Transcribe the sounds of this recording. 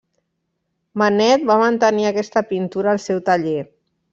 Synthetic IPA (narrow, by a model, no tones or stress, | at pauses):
manɛt̪̚bamənt̪əniakɛst̪əpint̪uɾəːlˠsɛwt̪əʎe